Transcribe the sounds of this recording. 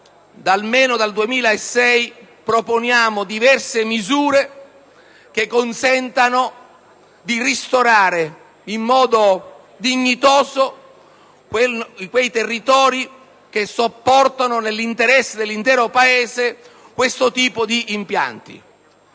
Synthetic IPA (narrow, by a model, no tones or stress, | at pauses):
d̪almeːnod̪ald̪uemiːlaesːɛj | pɾoponjaːmod̪ivɛrsemizuːɾe | k̟ekːonsɛnt̪ano | d̪irist̪oɾaːɾe | imːɔːd̪o | d̪iɲːit̪ɔːzo | kwejt̪erːit̪ɔːɾi | k̟esopːɔrt̪anonelːint̪eɾɛsːed̪elːint̪ɛːɾopaeːze | kwest̪ot̪iːpod̪iːmpja̰nt̪ḭ